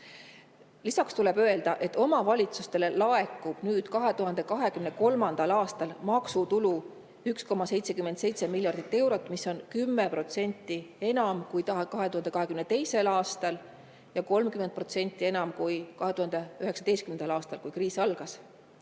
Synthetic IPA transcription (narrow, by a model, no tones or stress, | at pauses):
lisɑkst̪ule̞bø̞e̞ld̪ɑʔe̞t̪ːo̞mɑvɑlʲit̪sust̪e̞le̞lɑe̞kːˑub̥nyːd̪̥kɑɦe̞t̪uɦɑnd̪e̞kɑɦe̞kymne̞ko̞lmɑnd̪̥ɑlɑːst̪ɑlmɑksut̪ulu | yksko̞mɑse̞jt̪se̞kymed̪se̞jt̪semilʲːjɑrd̪̥it̪ːe̞wɾo̞t̪ːˑmisːo̞nkymːepro̞t̪se̞nʲt̪ˑːie̞nɑmkujt̪ɑkɑɦe̞t̪uhɑnd̪ekɑɦe̞kymnet̪e̞jse̞lɑːst̪ɑl | jɑko̞lmkymend̪pro̞t̪se̞nʲt̪ːˑie̞nɑmkujkɑɦe̞t̪uhɑnd̪eyɦe̞ksɑ̥d̪ejst̪kymnd̪ɑlɑːst̪ɑlkujkriːsɑlɡ̥ɑs